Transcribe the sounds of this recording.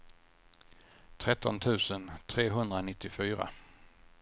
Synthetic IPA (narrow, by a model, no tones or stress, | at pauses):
t̪ʰɾɛt̪ːɔnt̪ʰʉ̟ːsənt̪ʰɾeːɦɵnd̪ɾanɪt̪ːɪfyːɾa̰